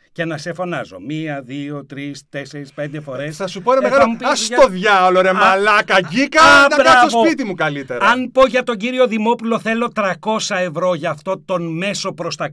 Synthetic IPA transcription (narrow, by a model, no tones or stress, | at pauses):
ce̞nɐse̞fo̞nɐzo̞̰miɐðio̞t̪ɾist̪e̞seɾispe̞nd̪e̞fo̞ɾesɐsupoenɐmeɣɐloɐmuisɐoðʝɐloɾemmɐlɐkɐʝikɐt̪ɐbɾɐosvopit̪imukɐlit̪eɾɐnpo̞ʝɐt̪o̞ɲɟiɾio̞ðimo̞pulo̞θe̞lo̞t̪ɾɐko̞sɐe̞vɾo̞ʝɐːft̪o̞t̪o̞nme̞so̞pɾo̞st̪ɐ